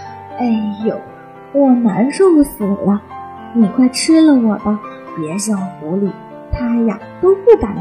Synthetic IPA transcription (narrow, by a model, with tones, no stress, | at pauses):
e˥˩ɪjo˨˩˦ʊ | wɔ˨˩na˧˥nʂo˥˩˧sɹ̩˨˩lɐ˦ | ni˨˩kʰwa˥˩ɪʈ͡ʂʰɻ̩˥lə˨wɔ˨˩bə˧pjɛ˧˥ɕjɑ˥˩ŋxu˧˥li˨˩˦ | t̪ʰa˥ja˥˧t̪o˥ʊpu˥˩ka˨˧˩n